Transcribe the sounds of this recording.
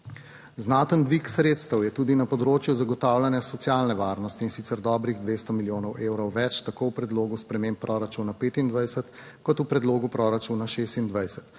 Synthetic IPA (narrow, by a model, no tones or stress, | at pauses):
znaːt̪ənd̪ʋiksɾeːt̪st̪əwjɛt̪uːd̪inapɔd̪ɾoːt͡ʃjuzaɡɔt̪aːwlanjasɔt̪sjalnɛʋaːɾnɔst̪iːnsit̪sɛɾd̪ɔːbɾiɣd̪ʋeːst̪ɔmiljoːnɔwʔeːwɾɔwʋɛt͡ʃt̪akowpɾɛd̪loːɡuspɾɛmempːɾʔɔɾat͡ʃunapeːt̪ind̪ʋajsət̪ | kɔt̪upɾɛd̪loːɡupɾɔɾat͡ʃunaʃest̪ind̪ʋajsə̥t̪